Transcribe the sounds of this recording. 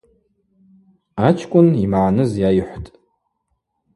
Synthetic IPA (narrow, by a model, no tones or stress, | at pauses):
at͡ʃʰkʷʼʊnimʕanɨzjajħʷtʼ